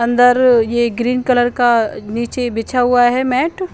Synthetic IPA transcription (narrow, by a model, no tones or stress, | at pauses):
ɐ̃nd̪əɾjeɡɾiːnkələɾkaniːt͡ʃebɪt͡ʃʰaɦʊaɦɛmɛːʈ